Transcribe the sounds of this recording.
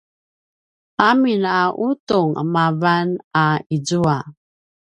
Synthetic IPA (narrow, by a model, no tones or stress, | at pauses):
aminaʔutuŋə̰mavanaid͡zua